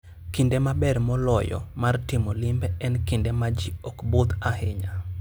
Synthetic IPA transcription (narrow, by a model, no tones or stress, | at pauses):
kɪndemabɛrmɔlɔjɔ̰martɪmolɪmbɛɛnkɪndemad͡ʒiokbot̪ahɪɲa